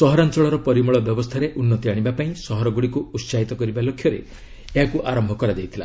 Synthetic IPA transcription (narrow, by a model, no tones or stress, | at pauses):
sɔɦɔɾant͡ʃɔɭɔɾɔpɔɾimɔɭɔbjɔbɔst̪ʰaɾeʔunːɔt̪iaɽ̃ibapaĩsɔɦɔɾɔɡuɽikuut̪saɦit̪ɔkɔɾibalokʰjɔɾḛ | eɦakuʔaɾɔmbʱɔkɔɾad͡ʒ̪ejt̪ʰila